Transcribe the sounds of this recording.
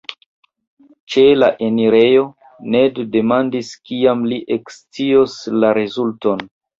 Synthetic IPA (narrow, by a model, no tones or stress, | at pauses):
t͡ʃe̞laʔe̞niɾe̞jo̞ | nedde̞mandiskiamliʔekst͡sioslaɾezulton